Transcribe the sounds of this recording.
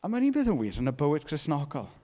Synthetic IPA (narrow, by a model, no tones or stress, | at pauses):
amaniːnbeːðənwiːɾənəbəwɪd̚kʰrɪsnɔɡɔ̰lˠ